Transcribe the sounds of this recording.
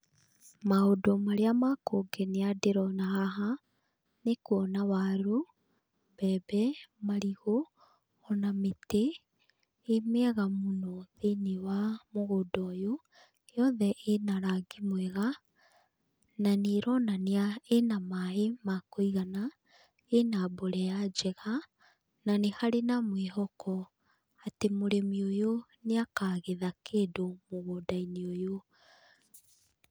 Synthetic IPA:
maodɔmaɾeamakoɡɛneadeɾɔnaɦaɦa | nekuɔnawaɾu | bɛbɛmaɾiɣo | ɔnameteː | meɛɣamonɔðenewamoɣodɔjo | jɔðɛʔenaɾaɡimwɛɣa | naneːɾɔnaneaenamaemakoiɣana | enaboɾɛad͡ʒɛɣa | nanehaɾenamweɦɔkɔ | atemoɾemiojoneakaɣeðakeːdomoɣodaineojo

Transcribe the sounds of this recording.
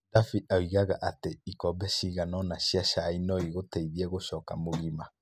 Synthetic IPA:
dafiʔawiɣaɣaʔateikɔbɛʃiːɣanɔnaɕiaʃainɔiɣotɛiðiɛɣoʃɔːkamoɣima

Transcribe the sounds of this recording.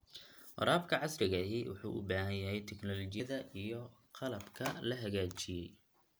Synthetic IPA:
wɑ̰ɾaːbkʰɐʕɑsrɪɣɐɦiwʊ̰ħṵːʔʊ̰baːɦɐjjɐɦɛjt̪ʰɛknɔlɔt͡ʃɪjɐðɐʔijɞqɑlɐbkʰɐlɐɦɐɣaːt͡ʃɪjɛj

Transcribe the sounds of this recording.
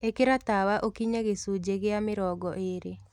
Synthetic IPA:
ekeɾat̪awaʔokiɲaɣesud͡ʒeɣɪamɪɾɔɡɔʔeɾe

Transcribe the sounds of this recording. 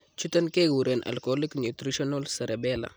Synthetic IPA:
t͡ʃut̪ɐnkeɡuɾenʔɐ̰lkoliknjut̪ɾiʃɔnalsɐɾebɛːla̰

